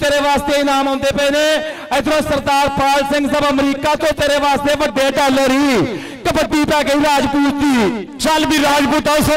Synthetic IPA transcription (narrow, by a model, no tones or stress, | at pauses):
t̪eːɾeʋaːst̪einaːmɦõːnd̪epəːne | əɪd̪ɾõːsɐɾd̪aːɾpaːlsɪ̃ŋɡsɐbɐmɾiːkaːt̪õːt̪eːɾeʋaːst̪eʋəɖʱːeːʈaːləɾɦiː | kɐpəʈ̪ːiːpaːkeiɾaːd͡ʒpuːɾt̪ːiː | t͡ʃalbʱiːɾaːd͡ʒpuːt̪as